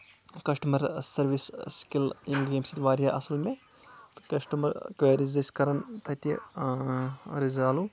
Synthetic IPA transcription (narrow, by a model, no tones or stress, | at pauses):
kɐsʈɐmɐɾsɐɾʋisskilimɡemsit̪ʋaːɾijaʔɐsɐlmẽ | t̪kɐsʈɐmɐɾkeɾizɐskɐɾɐnt̪ɐt̪i | ɾizaːlu